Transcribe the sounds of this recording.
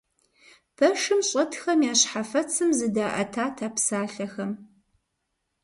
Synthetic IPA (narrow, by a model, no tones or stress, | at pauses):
pʰɐʂɨmɕʼɐtxɐmjaːɕħafɐt͡sʰɨmzɨdaːʔɐ̰tʰaːtʰaːpsaːɬɐxɐm